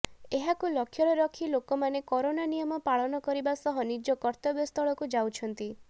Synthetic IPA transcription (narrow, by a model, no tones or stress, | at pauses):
eɦakulɔkʰjɔɽɔɾɔkʰilokɔmanekɔɾonanijɔmɔpaɭɔnɔkɔɾibasɔɦɔnid͡ʒɔkɔɾt̪ɔbjɔst̪ʰɔɭɔkud͡ʒawt͡ʃʰɔnt̪i